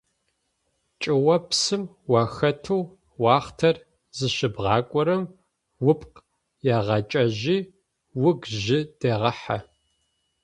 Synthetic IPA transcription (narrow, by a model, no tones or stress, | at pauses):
t͡ʃʼɪwɐpsɨm | wɑːxɐtʰuw | wɑːχtʰɐr | zɨʃɪbʁɑːkʷʼɔɾɐm | wʊpʼq | jaːʁɐt͡ʃʼɐʑiː | wʊɡʒɪd̥eːʁɐħa̰